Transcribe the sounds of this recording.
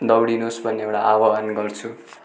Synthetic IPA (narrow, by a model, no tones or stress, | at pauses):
d̪ʌwɽinusbʱʌnːeewʈaʔawʌɦʌnɡʌrt͡sʰu